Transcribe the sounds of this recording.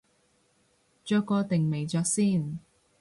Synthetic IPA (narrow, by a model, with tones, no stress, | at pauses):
t͡ʃœː˨˧kːɔː˧t̪ɪ˨ŋme˨˩jt͡ʃœː˧k̚siː˥˩˨n